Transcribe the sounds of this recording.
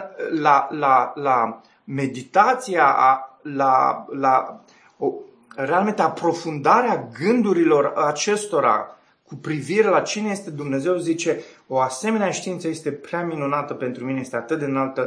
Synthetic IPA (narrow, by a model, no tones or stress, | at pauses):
lalala | me̞d̪it̪at̪sijalala | o | re̞alme̞nt̪eapɾo̞fund̪aɾeaɡɨnd̪uɾilo̞rat͡ʃe̞st̪o̞ɾa̰ | kupɾiviɾe̞lat͡ʃineje̞st̪e̞d̪umne̞ze̞wzit͡ʃe̞ | o̞ase̞me̞neaʃt̪iint̪səjest̪e̞pɾeaminunat̪əpe̞nt̪ɾumineje̞st̪eat̪ɨt̪̚d̪enalt̪ə